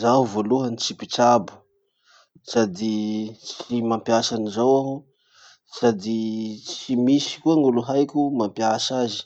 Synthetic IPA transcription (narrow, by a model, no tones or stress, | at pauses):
zaɦuvoluɦənit͡ʃipiʈ͡ʂabu̥ | sad̪it͡ʃimampiaʃanizawaɦ | sad̪it͡simisi̥kuaŋɡuluɦajkʲumampiaʃazi̥